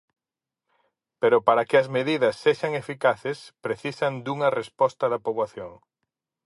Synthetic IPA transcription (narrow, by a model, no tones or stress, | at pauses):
peɾopaɾɐkɪɐzmeðiðɐsːeʃɐŋefikaθespɾeθisɐnd̪uŋɐrespɔst̪ɐðɐpoβwaθjoŋ